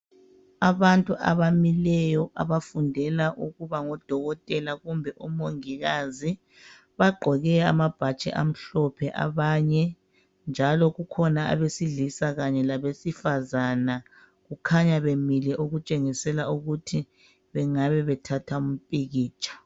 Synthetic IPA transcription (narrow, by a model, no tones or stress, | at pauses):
aβantʼuʔa̰βamilɛjɔʔa̰βafundʱɛlaʔuɣuβaŋɔd̥ʱɔɣɔtʼɛlaɣumbʱɛʔɔmoŋiɣazi | βaɡ͡ǃʱɔɣɛa̰mab̥ʱat͡ʃʼɛ̰ʔa̰m̩ɬɔpʰɛʔa̰βaːɲɛ | nd͡ʒʱalɔɣukʰɔnaa̰βesiɮisaɣaɲɛlaβesifazana | ɣukʰaɲaβemilɛʔuɣut͡ʃʼeŋisɛlauɣutʰi | βɛŋaβɛβɛtʰatʰaum̩pʼiɣiːt͡ʃʰʼḁ